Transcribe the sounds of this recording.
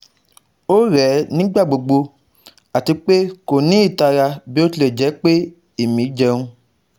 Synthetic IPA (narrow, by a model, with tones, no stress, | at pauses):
o˦ɾɛ˨˦nĩ˦ɡ͡ba˦˨ɡ͡bo˨ɡ͡bo˧ | a˨ti˧k͡pe˦ko˨nĩ˨˦i˦˨ta˧ɾa˧bi˦o˦ti˦le˨d͡ʒɛ˨˦k͡pe˦ | e˦˨mĩ˨˦d͡ʒɛ˧ũ˧